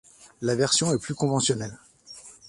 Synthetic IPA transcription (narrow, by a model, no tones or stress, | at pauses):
lavɛʁsjɔ̃ɛplykɔ̃vɑ̃sjɔnɛl